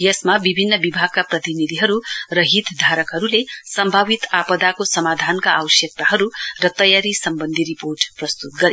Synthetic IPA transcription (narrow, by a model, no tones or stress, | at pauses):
jʌsmabibʱinːʌbibʱaɡ̚kaprʌt̪inid̪ʱiɦʌɾurʌɦit̪d̪ʱaɾʌkɦʌɾulesʌmbʱabit̪apʌd̪akosʌmad̪ʱankaːwʌsjʌk̚t̪aɦʌɾurʌt̪ʌjaɾisʌmbʌnd̪ʱiɾiporʈprʌst̪ut̪̚ɡʌɾḛ